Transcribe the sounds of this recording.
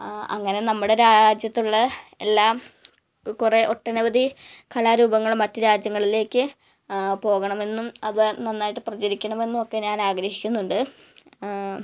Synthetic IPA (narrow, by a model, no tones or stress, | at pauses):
ɐ̰ŋːɐne̞nɐmːuɽe̞ɾaːd͡ʑjɐt̪ːuɭːɐe̞lːaːm | kure̞ʔo̞ʈːɐnuʋɐðikʰɐlaɾuːbɐŋːɐɭmɐtːɨɾaːd͡ʑjɐŋːɐɭile̞ːkʲːɨ | po̞ːɣɐɳɐme̞nːumɐðɨnɐnːaːjiʈːɨprɐt͡ɕɐɾikʲːɐɳɐme̞nːumo̞kːe̞ɲaːnaːɡɾɐhikʲːunːuɳɖɨ